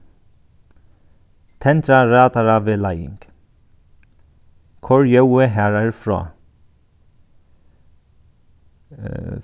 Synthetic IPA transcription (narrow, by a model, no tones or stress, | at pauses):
t̪ʰɛnt̪ɾaɹaːt̪aɹaʋɪlajɪ̰ŋk | kʰɔɹjœwɪɦæːɹaɹfɹɔ̰ː